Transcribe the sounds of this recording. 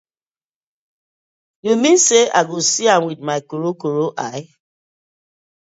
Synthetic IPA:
jomĩseʔaɡosiãmwidmaɪkoɾokoɾoʔaɪ

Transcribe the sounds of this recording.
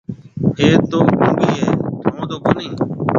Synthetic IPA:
ɦeːt̪oːkũːbiːɦeːʈ̪ʰõːd̪oːkoːnĩː

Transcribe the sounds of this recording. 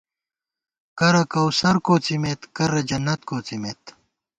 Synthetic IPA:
kɐɾɐkɐwsɐɾkoːt͡simet̪kɐɾɐd͡ʑɐnːɐt̪koːt͡simet̪

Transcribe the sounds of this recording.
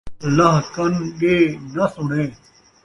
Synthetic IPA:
lɐɦkɐnɗeːnɐsʊɳ̤ẽː

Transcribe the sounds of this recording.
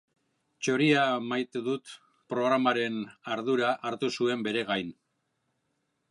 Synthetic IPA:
t͡ʃo̞ɾiamajt̪eðut̪ | pɾo̞ɣ̞ɾamaɾe̞naɾðuɾaʔaɾt̪usue̞mbe̞ɾe̞ɣajn

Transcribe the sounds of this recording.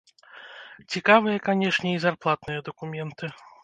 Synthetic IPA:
t͡sʲikavɨjɐkanʲɛʂnʲɛizarplˠat̪nɨjɐd̪ɐkumʲɛnt̪ɨ

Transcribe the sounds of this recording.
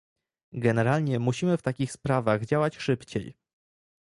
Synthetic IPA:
ɡɛnɛɾalɲɛmuɕimɘft̪akʲixspɾavaɣd͡ʑawat͡ɕʂɘpt͡ɕḛj

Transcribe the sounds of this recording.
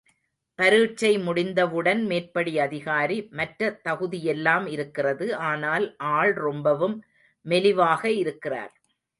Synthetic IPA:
pɐɾɯːʈ̚t͡ʃːɐɪmʊɽɪnd̪ɐʋɯɽɐnmeːrpɐɽiɐðɪɣaːɾimɐʈɾɐt̪ːɐɣɯðɪjɛlːaːmɪɾɯkːɪrɐðɯʔaːnaːlʔaːɭɾɔmbɐʋɯmː | ɛlɪʋaːɣɐɪɾɯkːɪra̰ːɾ

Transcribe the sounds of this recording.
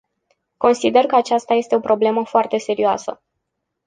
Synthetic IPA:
ko̞nsid̪e̞rkəat͡ʃast̪aje̞st̪e̞o̞pɾo̞ble̞məfoart̪e̞se̞ɾioa̰sə̰

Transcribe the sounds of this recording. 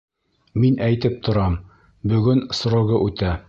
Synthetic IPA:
minʔæjt̪ɘp̚t̪ʰŏɾɑm | bɵ̆ɡɵnsɾŏɣɤʔʉt̪æ

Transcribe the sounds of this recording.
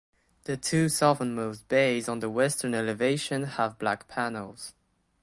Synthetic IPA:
ðətʰʉːsɔvənmoʊsb̥eɪzn̩ðəwɛstənɛlɪveɪʃə̃nəvblakpʰænəl̩ˠz̥

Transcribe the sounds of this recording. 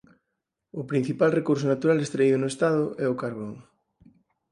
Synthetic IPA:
ʊpɾin̟θipalrekuɾsʊnat̪uɾalest̪ɾeiðʊnʊest̪að̞ʊʔɛʊkaɾβoŋ

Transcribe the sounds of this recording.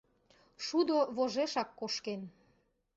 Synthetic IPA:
ʃud̪oβoʒeʃɑkːoʃken

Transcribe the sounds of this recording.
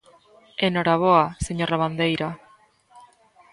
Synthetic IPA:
eno̞ɾaβoaseɲo̞raβand̪e̞jɾa

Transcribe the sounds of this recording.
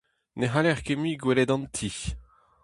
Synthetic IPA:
neɦalɛʁkemiɡwelɛd̪ɑ̃nt̪ʰi

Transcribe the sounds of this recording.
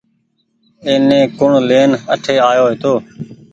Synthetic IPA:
eːnẽːkʊɳleːnəʈʰeːaːjoːɦet̪oː

